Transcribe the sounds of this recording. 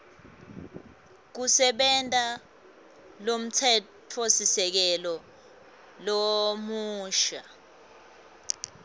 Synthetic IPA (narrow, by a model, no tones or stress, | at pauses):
k̬usɛɓɛntʼa | lom̩tʰɛ | tʰosisɛk̬ɛlɔ | lomuːʃa